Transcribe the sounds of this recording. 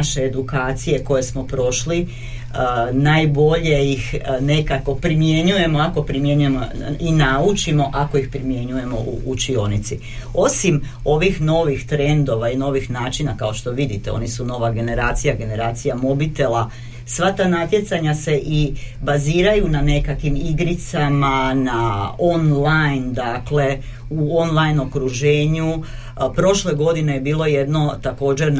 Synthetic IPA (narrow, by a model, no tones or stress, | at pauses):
aʃeed̪ukaːt̪sije̞ko̞je̞smo̞pɾo̞ʃli | najbo̞ʎe̞ixne̞kako̞pɾimje̞ɲuje̞mo̞ako̞pɾimje̞ɲujemoinaut͡ʃimo̞ʔako̞ixpɾimje̞ɲuje̞mo̞ʔṵʔːt͡ʃio̞nit̪si | o̞sim | o̞ʋixno̞ʋixt̪ɾe̞nd̪o̞ʋaino̞ʋixnaːt͡ʃinakao̞ʃt̪o̞ʋid̪it̪e̞o̰nisuno̞ʋaɡe̞ne̞ɾaːt̪sijaɡe̞ne̞ɾaːt̪sijamo̞bit̪e̞lˠa | sʋat̪aːnat̪je̞t̪saɲase̞ʔibaziːɾajunane̞kakʋimiɡɾit̪samanao̞nlajnd̪akle̞ | uo̞nlˠajno̞kɾuʒe̞ːɲu | pɾo̞ʃle̞ɡo̞d̪inejebiːlˠo̞jed̪no̞t̪ako̞ːd͡ʑeɾ